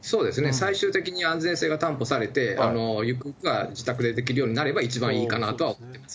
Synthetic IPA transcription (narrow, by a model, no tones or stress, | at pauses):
so̞ːd̪e̞sɨne̞saiɕɨːt̪e̞kʲiɲ̟iãnzẽɰ̃se̞ːɡat̪ãmpo̞saɾe̞t̪e̞a̰no̞jɯkɯkɯɡad͡ʑit̪akɯ̟d̪e̞d̪e̞kʲiɾɯ̟jo̞ːɲ̟inaɾe̞bait͡ɕibãɰ̃iːkanat̪o̞βaomot̪ːe̞masɨ̥